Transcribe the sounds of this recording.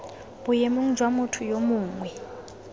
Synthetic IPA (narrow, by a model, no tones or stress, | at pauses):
b̥ujɛmuŋ̩d͡ʒʱwamʊtʰujomuːŋwɛ